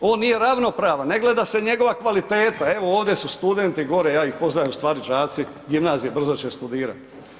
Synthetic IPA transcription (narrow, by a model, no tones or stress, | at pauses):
o̞ːnːije̞ɾaʋno̞pɾaːʋaneɡle̞d̪ase̞ɲe̞ɡo̞ʋakʋalit̪eːt̪ae̞ʋo̞oːʋd̪jesust̪ud̪e̞nt̪iɡo̞ɾejaːixpo̞znajust̪ʋaːɾit͡ʃaːt̪si | ɡimnaːzijebr̩zot͡ʃest̪ud̪iːɾa̰t̪